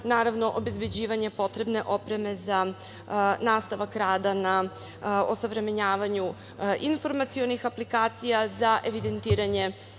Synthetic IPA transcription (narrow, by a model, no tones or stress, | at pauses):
naːɾaʋno̞ʔobe̞zbe̞d͡ʑiːʋaɲe̞po̞t̪ɾe̞bne̞ʔo̞pɾe̞me̞za | naːst̪aʋakɾaːd̪ana | osoʋɾe̞meɲaːʋaɲu | ʔinfo̞ɾmat̪sio̞nixaplikaːt̪sijazaʔe̞ʋid̪e̞nt̪iːɾaɲe̞